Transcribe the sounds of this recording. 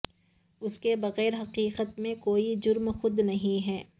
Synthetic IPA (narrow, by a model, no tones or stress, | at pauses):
ʊskebɐɣɛːɾɦɐqiːqət̪mẽkoːid͡ʒʊɾmxʊd̪nɐɦĩɦɛː